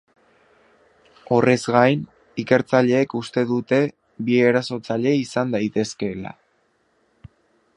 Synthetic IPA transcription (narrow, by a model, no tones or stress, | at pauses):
o̞re̞zɡajn | ike̞ɾt͡saʎe̞ːkust̪e̞ðut̪e̞ | βie̞ɾaso̞t͡saʎe̞isand̪ajt̪e̞ske̞la̰